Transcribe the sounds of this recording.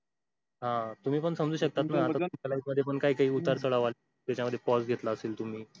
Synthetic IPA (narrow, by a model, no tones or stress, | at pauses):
ɦãt̪um̤iːpəɳsəmd͡zuːɕək̚t̪at̪naat̪at̪umt͡ɕalaiməd̪ʱːjepəɳkaɦiːkaɦiːut̪aɾt͡səɭaʋal | t̪jat͡ɕjaməd̪ʱjepɔsɡʱet̪laəseːlt̪um̤iː